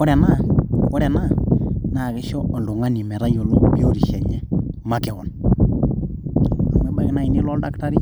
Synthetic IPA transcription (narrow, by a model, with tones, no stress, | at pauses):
kɔ˦ɾɛ˨na˦˨kɔ˦ɾɛ˨na˦na˨kɪ˦ʃɔ˦ɔ˨ndu˨ŋa˦ni˨mɛ˨ɾa˦jo˨lo˦bi˦o˦ɾi˨ʃɛ˨ɲɛ˦ma˦kɛ˨wɔ˨n˨ | a˨mɛ˦ɓa˨kɪ˦na˨i˦ni˦lɔ˦lda˦kta˦ɾi˦